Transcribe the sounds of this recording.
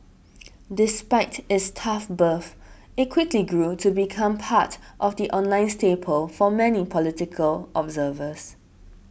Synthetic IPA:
dɪspaɪtɪtstʰafbəf | ɪt̚kʰw̥ɪkliɡɹutʰubikʰãmpʰatʔɔfdiʔɔ̃nlãɪ̃nstepʰəlfɔmɛnipʰɔlɪtɪkʰəlʔɔbzəvəs

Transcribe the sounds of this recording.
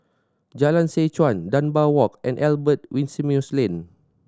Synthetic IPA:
d͡ʒalãnset͡ʃwãndãnbawɔkʔɛ̃nʔɛlbət̚wĩnsimjuslẽn

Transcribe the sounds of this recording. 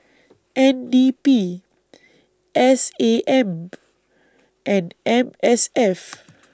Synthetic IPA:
ʔɛ̃ndipi | ʔɛseʔɛ̃m | ʔɛ̃nʔɛ̃mɛsɛf

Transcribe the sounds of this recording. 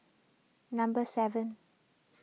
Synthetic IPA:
nãmbəsɛvə̃n

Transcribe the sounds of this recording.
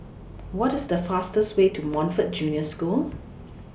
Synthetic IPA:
wɔtɪsdəfastəstwetʰumɔ̃nfət̚d͡ʒunjəskulˠ

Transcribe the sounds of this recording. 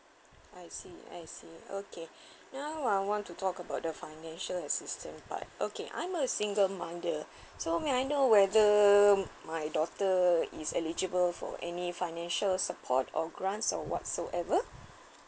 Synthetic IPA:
ʔajsia̰jsio̰kʰe | nawajwɔ̃ntutʰɔkəbaʊt̚dəfaɪnɛ̃nʃələsistʰə̰̃npa̰t̚ʔokeʔã̰j̃məsĩŋɡəlmãndə | someajnowɛðə | majdɔtəḭsɛlid͡ʒəbəlfɔ̰ʔɛ̰nifaɪnɛ̃nʃəlsəpʰɔ̰tʰɔ̰ɡɹãntsɔ̰wɔ̰tsoʔɛvə

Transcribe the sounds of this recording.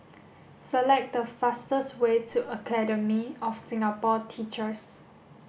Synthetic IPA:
səlɛk̚dəfastəswetʰuʔəkʰɛdəmiɔfsɪ̃ŋapɔtʰit͡ʃəs

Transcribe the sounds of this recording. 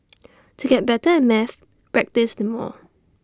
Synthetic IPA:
tʰuɡɛt̚bɛtəɛ̃nmɛθ | ɹɛk̚tɪsdəmɔ̰

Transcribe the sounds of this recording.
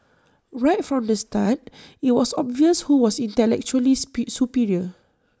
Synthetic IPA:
ɹaɪtfɹɔ̃mdəstat̚it̚wɔsɔbviəshuwɔsĩntɛlɛk̚t͡ʃuəlisupiɹiə

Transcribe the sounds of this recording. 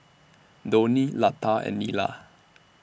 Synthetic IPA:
d̪onilat̪ʰaɛ̰nːila̰

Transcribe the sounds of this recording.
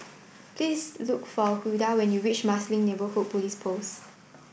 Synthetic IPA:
pʰlislukfɔkudawɛ̃njuɹit͡ʃmaslĩŋnebəhut̚pulispʰos

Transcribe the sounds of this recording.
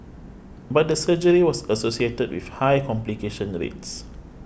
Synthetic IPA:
bat̚dəsəd͡ʒəɹiwɔsəsosietəd̚wḭfhajkɔ̃mplikeʃə̃nɹḛts

